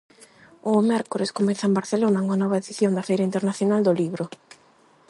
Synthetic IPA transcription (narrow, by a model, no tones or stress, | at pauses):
ʊmɛɾkoɾɪskomɛθɐembaɾθelonaumanɔβɐeðiθjond̪ɐfɛjɾaint̪eɾnaθjonald̪oliβɾʊ